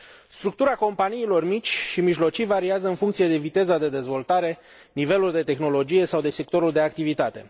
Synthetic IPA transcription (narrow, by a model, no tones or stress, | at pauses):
st̪ɾukt̪uɾako̞mpaniːlo̞rmit͡ʃʲʃimiʒlo̞t͡ʃijvaɾiazəɨnfuŋkt̪sije̞d̪e̞vit̪e̞zad̪e̞d̪e̞zvo̞lt̪aɾe̞ | nive̞luld̪e̞t̪e̞xno̞lo̞d͡ʒije̞sawd̪e̞se̞k̚t̪o̞ɾuld̪e̞ak̚t̪ivit̪at̪e̞